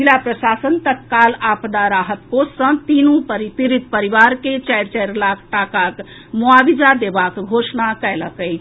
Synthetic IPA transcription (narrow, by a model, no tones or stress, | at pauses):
ilapɾəsasənt̪ət̪̚kalapd̪aɾaɦət̪̚kosə̃t̪inupəɾip̪iɾit̪̚pəɾiβaɾket͡ʃajɾt͡ʃajɾlakʰʈakak | muabid͡ʒad̪ebakɡʱosnakɛjləkəjt͡ʃʰ